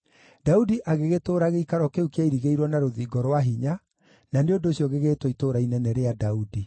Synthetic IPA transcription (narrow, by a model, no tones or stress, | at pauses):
daudiʔaɣeɣetoːɾaɣeikaɾwɔkeukjaiɾiɣeiɾwɔnaɾoðiːɡɔɾwaɦiɲa | naneondoɕijɔɣeɣeːtwoitoːɾainɛnɛɾeadaudi